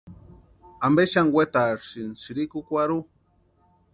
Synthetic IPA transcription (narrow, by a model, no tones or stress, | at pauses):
ambeʃaŋwet̪aɾsinsiɾikukʷaɾu